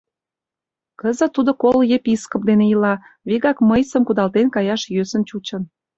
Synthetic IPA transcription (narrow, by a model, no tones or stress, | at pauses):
kəzə̆t̪ːud̪okoljepiskop̚d̪enejəlɑβiɣɑkməjsəmkud̪ɑlt̪enkɑjɑʃjøsənt͡ɕut͡ɕə̆n